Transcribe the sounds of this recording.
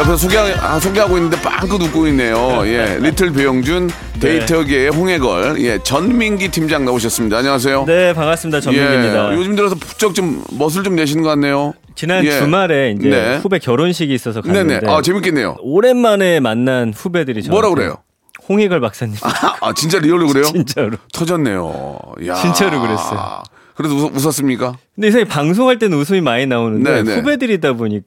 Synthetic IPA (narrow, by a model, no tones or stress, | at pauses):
ʌpʰess̬ʰoɡeaasʰoɡeɦaɡoinːɯndep͈a̰ŋk͈ɯnuk͈̚oinːe̞joje̞ɾitʰɯɭpejoŋd͡ʑun | teitʰʌɡeːɸoŋe̞ɡʌ̰ɭje̞t͡ɕʌnmiŋɡitʰimd͡ʑaŋnaboɕ̬ʰʌs͈ɯmɲidaːɲʌŋas̬ʰe̞jone̞paŋas͈ɯmɲidat͡ɕʌeiidajod͡ʑɯmdɯɾʌs̬ʰʌpu̥t͡ɕ͈ʌk̚t͡ɕomːʌs̬ʰɯɭt͡ɕomneɕ̬ʰinɯnɡʌk͈anːe̞jo | t͡ɕinanjeumaɾe̞ineeube̞kjʌɾonɕ̬ʰiɡiːs͈ʌsʰʌkanene̞deat͡ɕe̞mik͈enːe̞jo̰oɾe̞nmane̞manːanɸube̞dɯɾit͡ɕʌmʌɾaɡɯɾe̞̰jo̰ | hoŋɦeɡaɭmak̚s͈aɲːiat͡ɕint͡ɕ͈aɾiʌɭːoɡɯɾe̞joint͡ɕ͈aɾutʰʌd͡ʑʌnːe̞̰jo̰ja̰t͡ɕint͡ɕ͈aɾukɯɾes͈ʌjo̰ | kɯɾes̬ʰʌʌus̬ʰʌs̬͈ɯmɲik͈akɯnde̞isʰaŋʰepaŋs̬ʰoŋɦaɭt͈e̞nɯnus̬ʰoɲimaɲinaonɯnneneube̞dɯɾidaboɲik͈̚